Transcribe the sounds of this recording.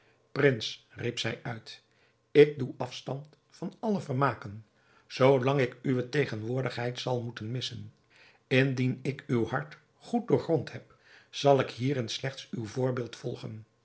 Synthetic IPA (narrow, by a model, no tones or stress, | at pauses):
prɪns | ripsɛjœɥt | ɪk̚duʔɑfstɑnt | fɑnɑləvəɹmaːkən | z̥owlɑŋɪkyʋətejχənʋʊːɹdəχɦɛjtsɑlˠmutənmɪsən | ɪndinɪkywhɑɹt | χut̚dʊːɹχrɔntɦɛp | z̥ɑlˠɪkɦiːɾɪnslɛχtsywvʊːɹbɪːlˠtfɔlˠχən